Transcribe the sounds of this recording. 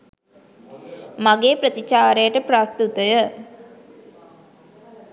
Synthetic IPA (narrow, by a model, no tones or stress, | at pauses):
maɡeːpɾət̪it͡ʃaːɾejəʈəprast̪ut̪əjə